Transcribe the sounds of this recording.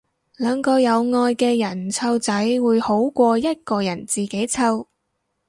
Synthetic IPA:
lœː˨˧ŋkɔː˧jɐ˨˧wŋɔː˧jkɛː˧jɐ˨˩nt͡sʰɐ˧wt͡sɐ˨˥jwuː˨˧jho˨˥wkʷɔː˧jɐ˥t̚kɔː˧jɐ˨˩nt͡siː˨ke˨˥jt͡sʰɐ˧w

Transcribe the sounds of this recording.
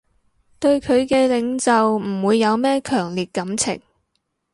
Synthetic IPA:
t̪ɵ˧ɥkʰɵ˨˧ɥkɛː˧lɪ˨˧ŋt͡sɐ˨wm̩˨˩wuː˨˧jːɐ˨˧wmɛː˥kʰœː˨˩ŋliː˨t̚kɐ˨˥mt͡sʰɪ̰˨˩ŋ

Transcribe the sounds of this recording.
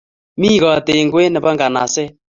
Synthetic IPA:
mi˦ɣɔ˨te˨ŋɡwe˦nɛ˨ba˦ŋɡa˨na̰˨sɛ˦

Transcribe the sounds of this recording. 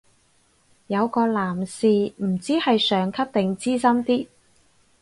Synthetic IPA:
jɐ˨˧wkɔː˧laː˨˩msiː˨˧m̩˨˩t͡siː˥hɐ˨jsœː˨˧ŋkʰɐ˥p̚t̪ɪ˨ŋt͡siː˥sɐ˥mt̪iː˥

